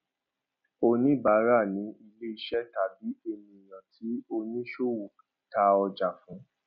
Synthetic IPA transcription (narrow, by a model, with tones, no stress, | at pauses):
o˧nĩ˦ba˨˦ɾa˦˨nĩ˨˦i˧le˦i˧ʃɛ˦ta˨bi˨˦e˧mĩ˧i˨j̃ã˨tʰi˨˦o˧nĩ˦ʃo˦wu˨ta˧ɔ˧d͡ʒa˨fũ˨˦